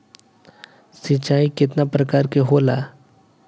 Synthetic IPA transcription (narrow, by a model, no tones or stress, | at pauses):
sit͡ʃaːikɪt̪napɾəkaːɾkeɦoːla